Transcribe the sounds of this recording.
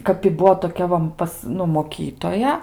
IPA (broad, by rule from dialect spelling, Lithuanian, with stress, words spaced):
kɐp ɪ ˈbuɔ toːˈkʲɛ ʋɐ ˈpɐs ˈnʊ moːˈkʲiːtoːjɛ